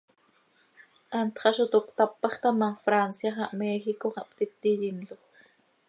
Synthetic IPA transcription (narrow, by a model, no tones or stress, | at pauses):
ʔɑnt̪χɑʃot̪okt̪apːɑχt̪ɑmafɾansjaχɑʔmɛːxikoqɑpt̪it̪ːijinloχ